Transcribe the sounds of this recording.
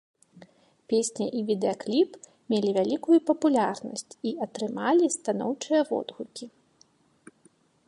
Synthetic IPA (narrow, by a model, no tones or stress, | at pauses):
pʲesʲnʲɐ̰ʔivʲid̪ɛɐklʲip | mʲelʲivʲalʲikujupɐpulʲarnɐ̰sʲt͡sʲiɐt̪ɾɨmalʲist̪anɔ̰wt͡ʂɨjɐvɔ̰d̪ɣukʲi